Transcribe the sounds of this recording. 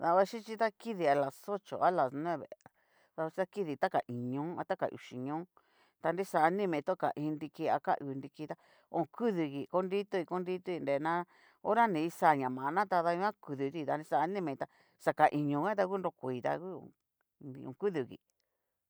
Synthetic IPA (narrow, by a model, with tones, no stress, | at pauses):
ða˧βa˧˦ʃi˦t͡ʃi˦t̪a˦ki˦ði˧a˧la˨so˦t͡ʃo̰˨a˦la˨sñ˧ẽ˦˨βḛ˨a˨ | ða˧a˧t͡ʃi˦a˦ki˦ði˧˨t̪a˦ka˨ʔi˨ɲõ˨˦a̰˧t̪a˦ka̰˨ʔṵ˨ʃi˨ɲõː˦ | t̪a˧nɾi˦sa˧nĩ˦mẽ˧t̪o˦ka̰˨ʔĩ˧ndi˧ki˧a˧ka̰˦ʔu˧ndi˧ki˧t̪a˦ | õ˨kʰu˦ðu˧ɣi˨ko˦ndi˦t̪u˦˧i˧ko˦ndi˦t̪u˦˧i˧nde˨nã˦ | o˦ɾa˦nĩ˧i˧sa˧˨ɲã˨mã˨˧nã˦t̪a˧ða˧ɲũ˧˦ã˦ku˧ðu˧t̪i˧t̪a˧ni˧sa˧˨˧nĩ˦mẽ˧˨t̪a˧ | sa˧ka˨ʔi˨ɲõ˧ɣã˦t̪a˧ku˦nɾo˧kʷi˧˨t̪a̰˧ku˦õ̰˨ | ni˧õ̰˨˧˨ku˦ðu˨ɣḭ˨